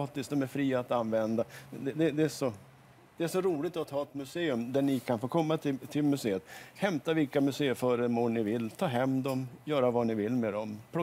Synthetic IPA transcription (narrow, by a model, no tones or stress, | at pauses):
t̪ɪsk̚d̪ɔmæɾfɾiːaːt̪anvɛnd̪ad̪ɛd̪ɛd̪ɛæʂɔ | d̪̥ɛæʂɔɾuːlɪt̪ɔt̪ʰːɑːɛt̪mɵseːɵmd̪æɳɪkʰanfoːkʰɔmːat̪ʰɪt̪ʰɪlmɵseːət̪hɛmt̪avɪlkamɵseːəfœːɾəmoːnɪvɪlːt̪ʰɑːɦɛmd̪ɔmjœːɾavanɪvɪlːmed̪ɔmpʰɾʊ